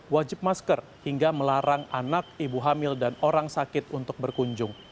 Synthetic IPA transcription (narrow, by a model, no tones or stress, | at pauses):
wad͡ʒɪp̚maskər | hiŋɡaməlaɾaŋanak̚ibuɦamɪldanoɾaŋsakɪt̪unt̪ʊk̚bərkuɲd͡ʒʊŋ